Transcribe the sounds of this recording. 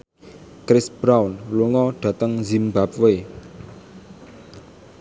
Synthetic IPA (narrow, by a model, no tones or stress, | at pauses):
kɾɪsb̥ɾawnluŋɔɖ̥ä̤t̪əŋzimbap̚we